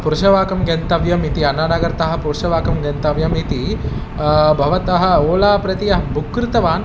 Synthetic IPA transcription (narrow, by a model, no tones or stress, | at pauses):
puɾɐʃɐʋaːkɐmɡɐnt̪ɐʋjɐmit̪iɐnaːnaɡɐɾt̪ɐɦɐ̆puɾʃɐʋaːkɐmɡɐnt̪ɐʋjɐmit̪i | bʱɐʋɐt̪ɐɦɐ̆oːlaːpɾɐt̪iɐɦɐbukːɾɪt̪ɐʋaːn